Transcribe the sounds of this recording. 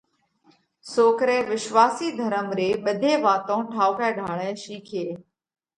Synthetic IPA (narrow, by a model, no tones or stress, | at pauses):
soːkɾɛ̃ːʋɪʃʋaːsiːd̪ʱəɾəmɾeːɓəd̪ʱeːʋaːt̪õːʈʰaːʊkɛːɖʱaːɭɛ̃ːʃiːkʰeː